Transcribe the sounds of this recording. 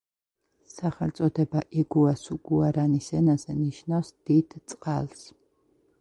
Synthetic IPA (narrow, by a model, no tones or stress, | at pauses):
saχɛlt̪sʼɔd̪ɛbaʔɛɡuasuɡ̥uaɾanisɛnazɛniʃnawsd̪id̪̥t̪sʼqʼalˠs